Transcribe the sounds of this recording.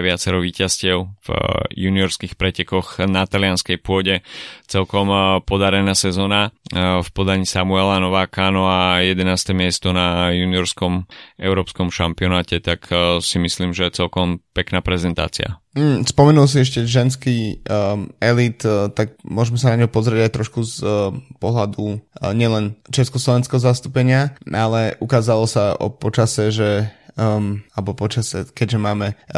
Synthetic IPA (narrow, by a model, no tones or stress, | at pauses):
ʋɪat͡sɛɾɔʋiːcascɪɛʊvjuniɔɾskiːxpɾɛcɛkɔɣnat̪alɪanskɛjpʊɔɟɛt͡sɛlkɔmpɔd̪aɾɛnaːsɛzɔːnafpɔd̪aɲiːsamuɛlanɔʋaːkanɔajɛd̪ɛnaːst̪ɛmɪɛst̪ɔnajuniɔɾskɔmɛʊɾɔːpskɔmʃampiɔnaːcɛt̪aksimisliːmʒɛɛt͡sɛlkɔmpɛknaːpɾɛzɛnt̪a̰ːt͡sḭa̰ | m̩spɔmɛnuls̬iɛʃcɛʒɛnski | ɛlit̪t̪aɡmʊɔʒmɛsanaɲɦɔpɔzɾɪɛɟajt̪ɾɔʃkuzpɔɦlad̪uɲɪɛlɛnt͡ʃɛskɔslɔʋɛnskɛɦɔzast̪upɛɲɪaalɛʔukaːzalɔsaɔ̰pɔt͡ʃasɛʒɛ | alɛbɔpɔt͡ʃasɛ̰kɛɟʒɛmaːmɛ